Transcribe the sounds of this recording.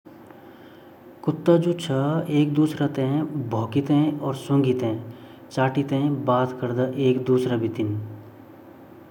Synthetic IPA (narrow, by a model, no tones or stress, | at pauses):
kʊt̪ːad͡ʒut͡ʃʰəeːk̚d̪uːsɾɐt̪ẽbʱoːkɪt̪ẽɔːɾsõːŋɡɪt̪ẽ | t͡ʃaːʈit̪ẽbaːt̪kəɾd̪aʔeːkd̪uːsɾabʱɪt̪ɪn